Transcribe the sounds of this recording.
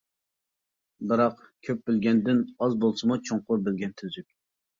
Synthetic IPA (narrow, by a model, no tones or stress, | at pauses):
bɨɾɑqkʲʰøp̚bɪlɡʲɛnd̪ɪnɑzbolˠsɨmut͡ʃʰoŋqʊɾbɪlɡʲɛnt̪ʰyzykʲ